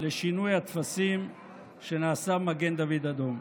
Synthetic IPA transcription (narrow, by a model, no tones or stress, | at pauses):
leʃinujat̪fasim | ʃenaːsamaɡend̪avid̪ad̪om